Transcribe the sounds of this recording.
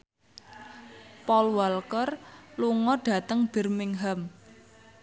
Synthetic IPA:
pɔlwalkərluŋɔɖ̥a̤t̪əŋb̥ə̤rmɪŋɦəm

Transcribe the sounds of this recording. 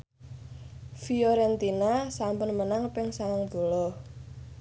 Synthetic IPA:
fiɔɾɛnt̪inasampʊnmənaŋpɪŋsaŋaŋb̥o̤lɔh

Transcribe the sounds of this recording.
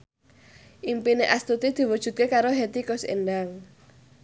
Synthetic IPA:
ʔimpineʔast̪ut̪id̪̥i̤wud̥ʒ̥ṳt̪̚kekaɾoɦet̪ikʊsḛnɖaŋ

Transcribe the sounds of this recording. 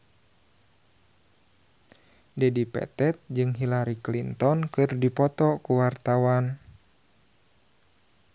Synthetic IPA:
dɛdipɛ̰t̪ɛt̪̚d͡ʒɨŋɦilaɾiklint̪ɔnkɨrdipɔt̪ɔkuwart̪awan

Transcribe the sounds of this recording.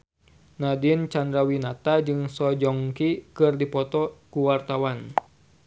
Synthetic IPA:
nadint͡ʃandɾawinat̪ad͡ʒɨŋsɔd͡ʒɔŋkikɨrdipɔt̪ɔkuwart̪awan

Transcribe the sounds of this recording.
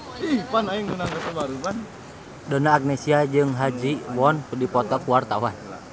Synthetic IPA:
ihpanaiŋunaŋkat̪əbaɾupan | dɔnaːɡ̚nɛsiad͡ʒɨŋɦad͡ʒiwɔnkudipɔt̪ɔkuwart̪awan

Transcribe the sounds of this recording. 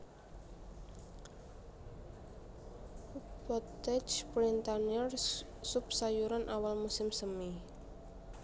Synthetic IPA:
pɔt̪ɛd͡ʒpɾint̪aniɔrsupsajuɾanʔawalmusɪmsəmi

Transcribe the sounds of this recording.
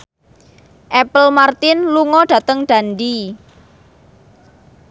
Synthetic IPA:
ʔɛpəlmart̪ɪnluŋɔɖ̥a̤t̪əŋɖ̥a̤ndi

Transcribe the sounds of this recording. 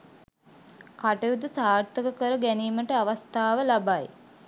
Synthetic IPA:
kaʈejud̪əsaːɾt̪əkəkəɾəɡæniːməʈəaʋast̪aːʋəlabaj

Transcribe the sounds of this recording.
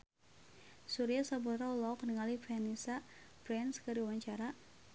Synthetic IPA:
suɾiasabuɾaulaɔkəniŋalifɛnisapɾɛnskəɾiuwaɲt͡ʃaɾa

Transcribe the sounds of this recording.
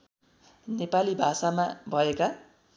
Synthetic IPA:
nepalibʱasamabʱʌeka

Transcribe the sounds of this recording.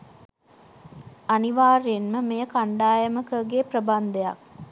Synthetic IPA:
aniʋaːɾejenməmejəkaɳɖaːjəməkəɡeːprəband̪eja̰k̚

